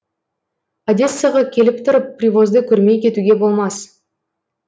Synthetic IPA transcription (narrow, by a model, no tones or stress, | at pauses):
ad̪ʲe̞sɨjaʁɑkʲʰe̞lɪp̚t̪ʰʊɾəpːrʲivo̞zd̪əkʲʰɵɾme̞jkʲʰe̞t̪uɡʲe̞bo̞lˠmɑs